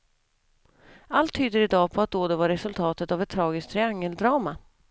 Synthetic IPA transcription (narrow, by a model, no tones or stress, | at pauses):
alt̪ʰːyːd̪əɾɪd̪ɑːpʰɔat̪̚d̪oːd̪ɛvaɾɛsɵlt̪ʰɑːt̪ət̪avɛt̪ʰːɾɑːɡɪsk̚t̪ʰɾɪaŋːəld̪ɾɑːma